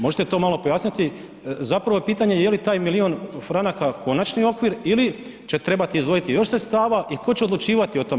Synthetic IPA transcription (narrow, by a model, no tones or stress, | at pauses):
mo̞ʒet̪et̪o̞ːmalo̞po̞jaːsɲit̪i | zapɾaʋo̞piːt̪aɲe̞jelit̪aːjmilio̞nfɾanakako̞nat͡ʃnio̞kʋiɾili | t͡ɕe̞t̪ɾe̞bat̪iːzd̪ʋo̞jit̪ijo̞ʃsɾet̪st̪aːʋaʔiko̞t͡ɕeod̪lut͡ʃiːʋat̪io̞t̪o̞me